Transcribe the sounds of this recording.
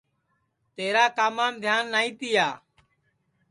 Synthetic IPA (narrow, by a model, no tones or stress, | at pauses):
t̪eːɾaːkaːmaːmd̪ʱjaːnːaːĩːt̪iːjaː